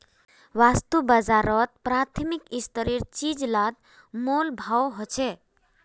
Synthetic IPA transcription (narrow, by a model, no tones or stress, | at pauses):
wast̪ubad͡zaɾɔt̪̚pɾat̪ʰimikist̪əɾiɾt͡ʃid͡zlad̪̚ | molbʱawɦot͡ʃʰe